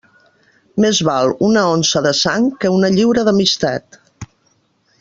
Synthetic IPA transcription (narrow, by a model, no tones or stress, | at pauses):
mezβalˠunəonsəðəsaŋkəunəʎiwɾəðəmist̪at̪